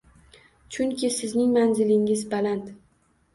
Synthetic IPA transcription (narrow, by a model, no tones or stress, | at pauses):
t͡ʃʰʊŋkʲɪsɪznɪŋmanzɪlɪŋɪzbalant̪